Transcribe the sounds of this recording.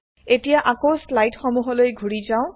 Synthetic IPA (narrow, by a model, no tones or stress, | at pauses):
etijaʔakowslajtxɔmuɦɔlojɡʱuɹizaʊ̃